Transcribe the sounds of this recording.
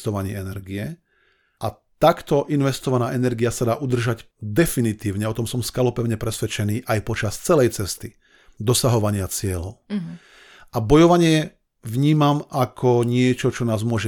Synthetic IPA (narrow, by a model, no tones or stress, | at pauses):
t̪ɔʋaɲḭɛnɛɾɡiɛ | ʔa | t̪akt̪ɔʔinʋɛst̪ɔʋanaːʔɛnɛɾɡiasad̪aːʔud̪r̩ʒaɟ | d̪ɛfinit̪iːʊɲɛɔt̪ɔmsɔmskalɔpɛʊɲɛpɾɛsʋɛt͡ʃɛniːʔajpɔt͡ʃast͡sɛlɛjt͡sɛst̪i | d̪ɔsaɦɔʋaɲɪat͡sɪɛlɔʊ | ʔabɔjɔʋaɲɪɛ | ʋɲiːmamʔakʰɔɲɪɛt͡ʃɔt͡ʃɔnaːzmʊɔʒɛ